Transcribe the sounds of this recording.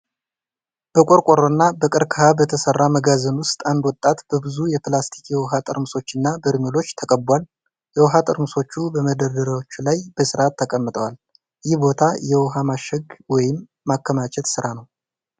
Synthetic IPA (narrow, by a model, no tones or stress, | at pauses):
b̥əkʷʼoɾkʷʼoɾonːabəkʼɨɾkʰəhabət̪ʰəsərːaməɡazənwʊst̪ʼand̪wɔt̪ʼːat̪b̥əbɨzujɛpʰlast̪ʰi̥kjɛwɔɦat̪ʼɨɾmɨso̞t͡ʃːɨnːabəɾmolo̞t͡ʃːt̪ʰəkʼəbwal | jɛwɔɦat̪ʼɨɾmɨso̞t͡ʃːubəməd̪əɾd̪əɾawot͡ʃːulajb̥əsɨɾʔat̪ʰːəkʼəmːɨt̪ʼəwal | jɪhbo̞t̪ʰajɛwɔɦamaʃəɡwɔjɪmː | akːəmat͡ʃʼɛt̪sɨɾanəw